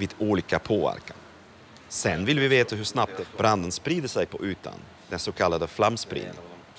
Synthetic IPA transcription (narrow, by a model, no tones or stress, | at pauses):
viːd̪uːliːkapʰoːvæ̰ɾkan | sɛnːvɪlvɪveːt̪aɦɵʂnap̚t̪b̥ɾand̪ənspɾiːd̪əʂɛjpʰɔʔʉ̟ːt̪ʰa̰n | d̪ɛnsokʰalːad̪əflamːspɾḭːd̪nɪŋ